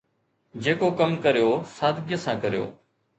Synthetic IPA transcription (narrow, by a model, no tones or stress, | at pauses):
d͡ʑeːkokəmkəɾijoːsaːd̪ʱɡjəsãːkəɾijo̰ː